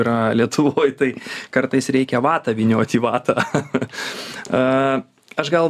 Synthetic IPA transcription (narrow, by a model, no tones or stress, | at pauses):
ɾɐlʲiɛt̪ʰʊʋoːjt̪ɐɪkɐɾt̪ɐɪsɾʲɛɪkʲɛʋɑːt̪ɐːʋʲinʲoːt̪ʲiːʋɑːt̪ʰɐ | ɐ | ɐʃɡɐlˠ